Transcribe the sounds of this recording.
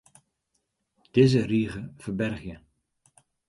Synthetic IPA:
d̥eːzəriːɣəvəɹbɛrχjə

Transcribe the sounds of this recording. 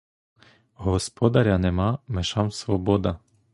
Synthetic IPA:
ɦɔspɔd̪ɐɾʲɐnɛmɑmeʃɑmsʋɔbɔd̪ɐ

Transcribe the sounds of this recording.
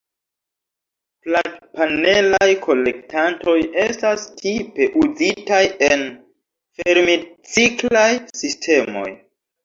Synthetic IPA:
plapane̞lajkʰo̞le̞ktanto̞je̞stastʰipe̞ʔuzitajen | fe̞ɾmit͡siklajsistʰe̞mo̞̰j

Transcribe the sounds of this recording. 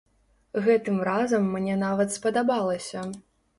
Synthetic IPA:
ɣɛt̪ɨmrazɐmːnʲɛnavɐt̪spɐd̪abalˠɐsʲɐ

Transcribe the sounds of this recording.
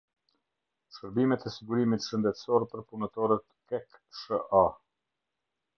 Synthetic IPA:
ʃkəɾbimɛt̪ʰɛsiɡuɾimit̪ʃənd̪ɛt̪sɔɾpəɾpunət̪ɔɾət̪kɛkʃəʔa

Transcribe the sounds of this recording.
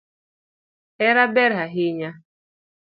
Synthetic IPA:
ɛɾabɛɾɦaɦɪɲa

